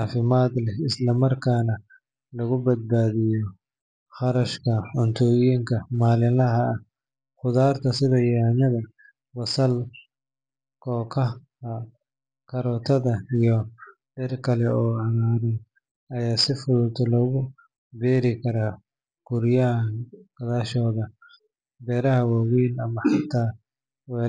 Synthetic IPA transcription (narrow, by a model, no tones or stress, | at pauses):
aːfɪmaːd̪lɛɪslɐmɐrkʰaːnɐ | lɐɣʊbɐd̪̚baːðɪjɔ | χɑɾɐʃkʰɐʊnt̪ʰɔːjiːŋkʰɐmaːlɪlɐɦɐː | χʊðaːrt̪ʰɐsɪðɐjaːnɐðɐ | wɐsɐl | kʰɔːkʰɐ | ɐ | kʰɐɾɔːt̪ʰɐðɐijɔ | ɖɛrkʰɐlɛɔːʕɑɣaːɾɛ | ɐjaːsɪfʊðʊt̪ʰɔlɔːɣʊ | bɛːɾɪkʰɐɾaː | ɡ̥ʊɾjɐɡ̥ɐðaːʃɔːðɐ | bɛːɾɐɦɐwawiːlɐmɐħɑt̪ʰaː | wɛː